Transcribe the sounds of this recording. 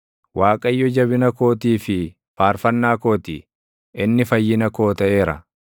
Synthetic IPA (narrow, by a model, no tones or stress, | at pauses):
waːkʼɐjːɔd͡ʒɐβɪnɐko̞ːt̪iːfɪ | faːɾfɐnːaːkoːt̪ḭː | ʔɪnːɪfɐjːɪnɐko̞ːt̪ɐʔe̞ːɾɐ̰